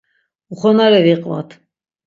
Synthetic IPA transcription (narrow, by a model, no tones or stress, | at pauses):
uχɔnaɾɛviqʼva̰t̪ʰ